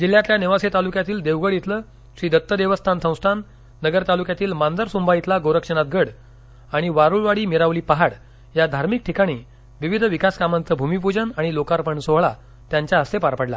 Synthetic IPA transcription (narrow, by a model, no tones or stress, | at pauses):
d͡ʑil̤ːjãt̪ljaneʋaset̪alukjat̪iːld̪eʋɡəɽjet̪ləː | ɕʋid̪ʱət̪ːəd̪eʋəst̪ʰansə̃w̃sʈ̪ʰanː | əɡəɾt̪alukjat̪iːlmand͡z̪əɾsũmbʱajit̪laɡoɾəkʂənat̪̚ɡəɽ | aɽ̃iʋaɾuɭʋaɽiːmiɾaʋliːpaɦaɽ | jad̪ʱaɾmik̚ʈʰikaɽ̃iː | ʋiʋid̪ʱʋikaskamant͡səbʱumip̬ud͡ʑənaɽ̃ilokaɾpəɳsoɦɭa | t̪jaɲt͡ɕjaəsepaɾpəɽla̰